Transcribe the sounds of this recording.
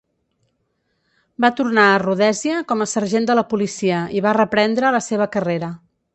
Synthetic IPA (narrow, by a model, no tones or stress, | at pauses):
bat̪urnaəruðɛziəkɔməsəɾʒend̪ələpulisiəiβarəpɾɛnd̪ɾələseβ̞əkəreɾə